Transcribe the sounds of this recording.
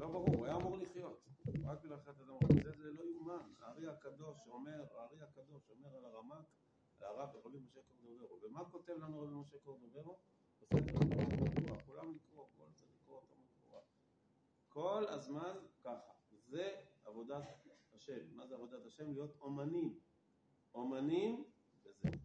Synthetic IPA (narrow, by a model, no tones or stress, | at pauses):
lobaʁuʁajaːmuʁliχjo̞t̪ʁakbilaχeet̪ad̪amʁabit͡sezelo̞jumana̰ːʁiakad̪o̞ʃome̞ʁaaʁiakad̪o̞ʃo̞me̞ʁalaʁamak | alaʁaveʁabimoʃekoʁd̪oveʁuvemako̞t̪e̞vlanuʁabimoʃekoʁd̪oveʁu | b̥esedeʁikaalikoakulamlikʁo̞ko̞lat͡satlikʁoot̪amolχo̰ʁa | ko̞la̰zmankaχavezeavo̞d̪athaʃe̞mːazeavo̞d̪at̪aʃe̞mlijo̞t̪o̞manim | omanim | beze